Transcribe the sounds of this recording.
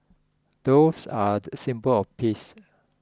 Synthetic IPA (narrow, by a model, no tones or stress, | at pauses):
d̥osadəsĩmpəlɔfpʰis